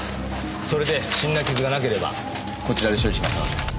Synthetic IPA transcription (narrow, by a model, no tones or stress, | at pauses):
so̞ɾe̞d̪e̞ɕĩnːakʲizɨɡanak̬e̞ɾe̞ba̰ | ko̞t͡ɕiɾad̪eɕ̬ioɾiɕimasno̰